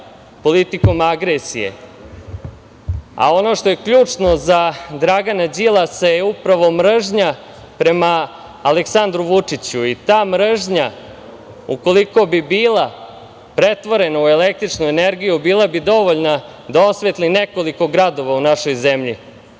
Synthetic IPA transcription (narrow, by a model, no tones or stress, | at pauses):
po̞lit̪iko̞maɡɾesḭjḛ | a̰o̞no̞ʂt̪o̞je̞kʎuːt͡ʂno̞zad̪ɾaɡanad͡ʑilˠasajeupɾaʋo̞mɾ̩ʒɲa | pɾe̞maː | leksand̪ɾuʋut͡ʂit͡ɕuit̪aːmɾ̩ʐɲa | uko̞liko̞bibiːlˠa | pɾe̞t̪ʋo̞ɾe̞naue̞lek̚t̪ɾit͡ʂnueneɾɡijubiːlˠabid̪o̞ʋoʎna | d̪ao̞sʋet̪lineko̞liko̞ɡɾad̪o̞ʋaunaʃo̞jze̞mʎi